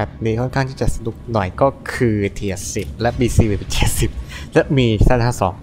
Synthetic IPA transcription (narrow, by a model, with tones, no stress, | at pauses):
ɛ˨˩p̚niː˧˩kʰɔ˥˩nkʰa˥˩ŋt̪ʰiː˥˩t͡ɕa˨˩sa˧nu˨˩k̚nɔ˨˩jkɔː˥˩kʰɯː˧t̪ʰiː˧˩ə˨˩si˨˩p̚lɛ˦˥ʔbiː˧siː˧be˨˩pi˨˩t͡ɕʰe˨˩si˨˩p̚lɛ˦˥miː˧saː˥˩nhaː˥˩sɔ̰ː˩˦ŋ